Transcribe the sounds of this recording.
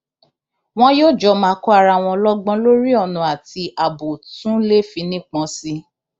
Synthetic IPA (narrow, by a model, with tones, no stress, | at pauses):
w̃ɔ̃˦joː˦˨d͡ʒɔ˧˦mãː˧˦kɔ˦a˧ɾa˧˨w̃ɔ̃˧lɔ˦ɡ͡bɔ̃˧lo˦ɾi˦ɔ˨nũ˨a˨ti˧a˨bo˨tũ˦le˦fĩ˧˦nĩ˦k͡pɔ̃˨˧˦si˧˦